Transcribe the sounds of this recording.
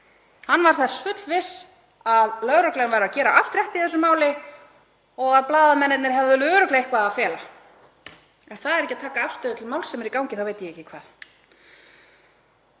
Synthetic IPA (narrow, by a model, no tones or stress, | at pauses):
hanːvaɾ̥θaɾ̥sfʏt̪lvɪs | aðlœɣɾœklɛɣnvajɾacɛːɾaʔaft̪ɾjɛht̪ɪiθɛsʏmaːwlɪ | ɔɣaðplaːðamɛnːɪt̪nɪɾ̥ɦɛvðʏlœɾʏklɛɣɪhkvaːðafjɛːla | ɛnθaðɛɾɛhcːat̪ʰaːkaafst̪œːðʏt̪ʰɪlmaːwlsɛmɛɾikawɲcɪθawveːjt̪ɪjɛɛcːɪkʰvaːð